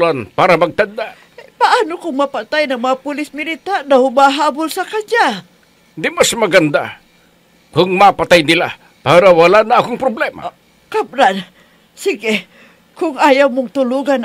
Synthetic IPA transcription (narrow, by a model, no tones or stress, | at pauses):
lanpaːɾamaɡ̚t̪and̪aʔ | paʔaːnʊkʊŋmɐpat̪ajnɐŋmɐŋapʊlɪsmɪlit̪ad̪ahʊmaɦaːbʊlsɐkaɲa | d̪ɪmasmaɡand̪a̰ | kʊŋmapat̪ajnɪla̰ | paːɾawalanaakʊŋpɾʊblɛma̰ | kabɾan | sɪɡɪ | kʊŋʔaːjawmʊŋt̪ʊluɡan